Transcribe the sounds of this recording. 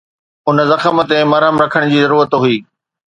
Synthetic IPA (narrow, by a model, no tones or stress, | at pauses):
ʊn̆zɐxəmə̆t̪emɐɾɦəmɾɐkʰəɽ̃d͡ʑiːzɐɾuːɾət̪ɦʊiː